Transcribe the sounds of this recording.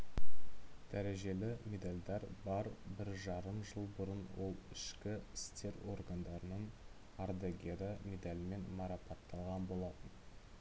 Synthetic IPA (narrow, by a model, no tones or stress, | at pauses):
d̪̥æɾe̞ʒe̞lɪmʲe̞d̪alʲd̪ɑɾbɑɾbɪɾʒɑɾəmʒəlˠbʊɾənwo̞lˠɪʃkʲɪɪst̪e̞ɾo̞̰ɾɡand̪ɑɾənəɴ | ɑɾd̪eɡʲeɾəmʲe̞d̪alʲɪme̞nmɑɾɑpɑt̪ʰːɑlˠʁɑnbo̞lˠɑt̪ən